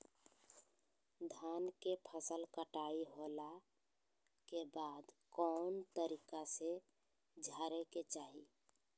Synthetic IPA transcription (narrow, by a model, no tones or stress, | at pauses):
d̪ʱankepʰəsəlkəʈaiɦola | kebad̪kɔnt̪əɾikase | d͡ʒʱaɾeket͡ʃaɦi